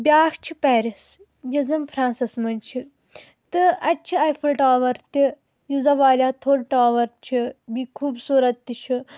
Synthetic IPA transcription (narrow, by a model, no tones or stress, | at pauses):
bʲaːʂt͡ʃʰipɛːɾis | jizɐmpʰɾãːnsismɐnʲt͡ʃʰi | t̪ɨɐt͡ʃʰiɐjfʰɨlʈaːʋɐɾt̪i | juzɐʋaːlʲaːt̪ʰoːɾʈaːʋɐɾt͡ʃʰibikʰuːbsuːɾɐt̪ːit͡ʃʰi